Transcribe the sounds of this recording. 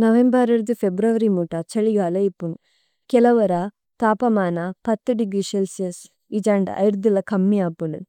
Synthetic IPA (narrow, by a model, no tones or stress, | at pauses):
nɐʋembɐɾɐɾd̪upʰebɾɐʋɐɾimuʈɐt͡ʃɐɭiɡaːlɐipːun | kɛlɐʋɐɾɐ | t̪aːpɐmaːnɐpɐt̪ːuɖiɡɾiʃelsiɐs | id͡ʒaɳɖɐ̰ʔɐ̰jɾd̪ulɐkʰɐmːiaːpuɳu